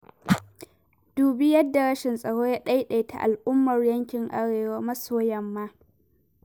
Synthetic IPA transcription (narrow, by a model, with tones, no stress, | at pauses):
d̥uː˨bi˦jɐ˦dːa˨ɽɐ˦ʃɪ˨nsʼɐ˨ɽoː˦jaː˦ɗa˦jɗa˨jtʰa̰˨ʔa̰˨lʔʊ˦mːɐ˨rjɐ˦ŋkʲɪ˨ŋʔa˦ɽeː˨waː˦mɐ˦soː˦jɐ˨mːaː˦